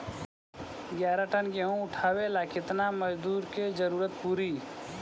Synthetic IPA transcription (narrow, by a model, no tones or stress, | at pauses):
ɡjaːɾaʈənɡeɦõʊʈʰaːwelakɪt̪naməd͡ʒd̪uːɾked͡ʒəɾuːɾət̪puːɾiː